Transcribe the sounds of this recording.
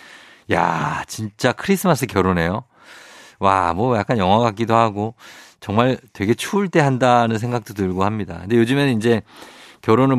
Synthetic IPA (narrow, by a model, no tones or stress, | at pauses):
ja̰t͡ɕint͡ɕ͈akʰɯɾis͈ʰɯmas͈ʰɯkjʌɾone̞jo | wa̰mwʌjak͈anjʌŋɦwaɡak͈̚idohaɡot͡ɕʌŋmaɭtwe̞ɡe̞t͡ɕʰuːɭt͈e̞ɦandanɯns̬ʰe̞ŋɡak̚t͈otɯɭɡohamɲida̰kɯnde̞jod͡ʑɯmenɯnind͡ʑe̞kjʌɾonɯɭ